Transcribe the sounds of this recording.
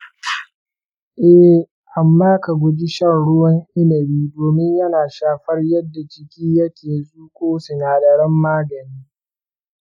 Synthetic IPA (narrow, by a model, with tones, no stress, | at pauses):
ʔɛ˦ | ʔa˨mːaː˦ka˨ɡʷʊ˨d͡ʒɪ˦ʃɐ˦˨nɽʊ˦wɐ˦ŋʔɪ˦nɐ˨ɾiː˦doː˨mɪ˦ɲjɐ˦naː˨ʃaː˦ɸɐ˦rjɐ˦dːa˨t͡ʃɪ˨kʲiː˦jɐ˦kʲeː˨zuː˦kʷoː˦sʊ˨naː˨dɐ˨ɾɛ˦mːaː˦ɡɐ˨niː˦